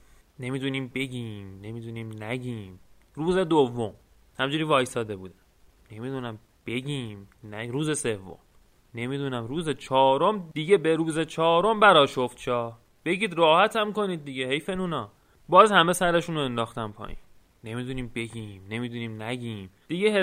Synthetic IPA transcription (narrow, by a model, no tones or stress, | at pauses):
ne̞mid̪uniːmbe̞ɡʲiːmne̞mid̪uniːmnæɟʲiːm | ruːze̞d̪ovːom | hæmd͡ʒuːɾiːvɒːjsɒːd̪ebuːd̪æ̥m | ne̞mid̪unæm | b̥e̞ɡʲiːmnæɾuːze̞se̞vːo̰m | ne̞mid̪unæmɾuːze̞t͡ʃʰɒːɾomd̪iɟebeɾuːze̞t͡ʃʰɒːɾo̞mbæɾɒːʃo̞ft̪̚t͡ʃʰɒː | b̥e̞ɡiːd̪ɾɒːhæt̪ʰæmko̞niːd̪̚ːiɡehe̞jfenuːnɒː | bɒːzhæme̞sæɾeʃunoend̪ɒːxt̪æmpʰɒ̰ːʔḭn | ne̞miːd̪uniːmbe̞ɡʲiːmne̞mid̪uniːmnæɡiːmd̪̥iɡeɦe